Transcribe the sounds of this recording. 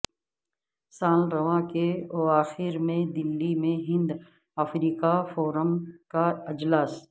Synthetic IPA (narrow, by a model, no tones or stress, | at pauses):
saːlɾɐʋakeɔːaːxɪɾmẽd̪ɪlːimẽɦɪ̃nd̪ | ɐfɾiːkafɔːɾəmkaɪd͡ʒlaːs